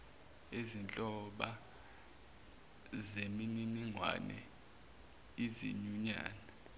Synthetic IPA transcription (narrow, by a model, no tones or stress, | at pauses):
ezint͡ɬʼɔɓa | zemininiŋwa̰nɛ̰ | izḭɲuɲa̰ːnɛ